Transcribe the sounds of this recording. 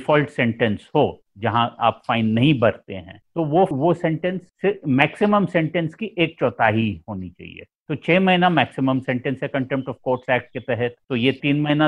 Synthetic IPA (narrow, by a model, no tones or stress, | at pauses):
fɔːlʈsɛ̃ɳʈɛ̃nshoː | d͡ʒɐɦãa̰ːpfaːɪnːɐɦĩbɐɾt̪ḛɦɛ̰̃ːt̪oːʋoʋosɛ̃ɳʈɛ̃nsːemɛːksɪməmsɛ̃ɳʈɛ̃nskiʔeːk̚t͡ʃɔːt̪ʰaːɦihoːnit͡ʃa̰ːɦḭḛːt̪oːt͡ʃʰeːmɐɦinamɛːksɪmə̃msɛ̃ɳʈɛ̃nsɦɛkɐ̃ɳʈɛ̃mp̚ʈɔːfkoːɾʈsɛːk̚ʈ̚ket̪ɛɦɛt̪̚t̪oːjet̪iːnmɐɦina